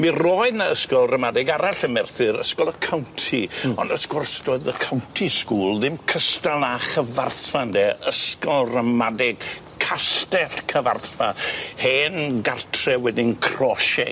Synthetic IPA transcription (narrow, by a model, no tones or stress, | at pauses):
mirɔɨðnaəskɔlˠrəmadɛɡaɾaɬəmɛrθɨɾə̰skɔlˠəkʰawntʰiɔndəsɡʊrsd̥oːɨðəkʰawntʰiskuːlˠðɪmkʰəstalˠaχəvarθfandɛəskɔlˠrəmadɛɡ̥ | kʰastɛɬkʰəva̰rθfaheːnɡartʰrɛwɛdɪnkʰrɔʃɛ̰